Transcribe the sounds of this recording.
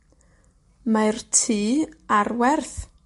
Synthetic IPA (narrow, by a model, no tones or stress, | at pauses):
martʰiːarwɛrθ